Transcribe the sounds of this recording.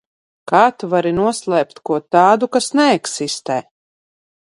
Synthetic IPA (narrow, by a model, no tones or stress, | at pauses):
kaːt̪vaɾinuɔslˠɛːpt̪kuɔt̪aːd̪ukasnɛɛksist̪ɛː